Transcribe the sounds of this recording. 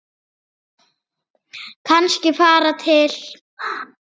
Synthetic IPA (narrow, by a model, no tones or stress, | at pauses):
kʰanscɪfaːɾat̪ʰɪl̥